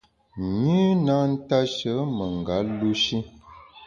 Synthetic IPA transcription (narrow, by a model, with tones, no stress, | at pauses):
ɲi˦na˦n̩˦ta˦ʃə˨˦mə˨ŋ˨ɡa˨˦lu˦ʃi˦